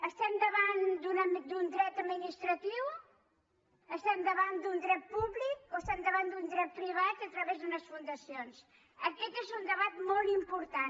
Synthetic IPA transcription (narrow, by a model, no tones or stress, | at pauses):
əst̪ɛmd̪əβand̪unəd̪und̪ɾɛt̪əminist̪ɾət̪iw | əst̪ɛmd̪əβand̪und̪ɾɛt̪̚puβlik̚oəst̪ɛmd̪əβand̪und̪ɾɛt̪̚pɾiβat̪ət̪ɾəβezðunəsfund̪əsions | əkɛt̪ezund̪əβat̪molˠt̪impuɾt̪an